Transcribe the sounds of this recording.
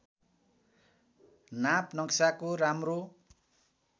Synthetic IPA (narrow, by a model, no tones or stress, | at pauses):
napnʌksakoɾamro